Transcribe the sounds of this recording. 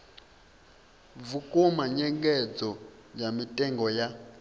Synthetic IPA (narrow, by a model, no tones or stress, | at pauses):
vukʼɔmaɲɛŋɡɛd͡zɔ | d͡ʒamitʼɛŋɡɔja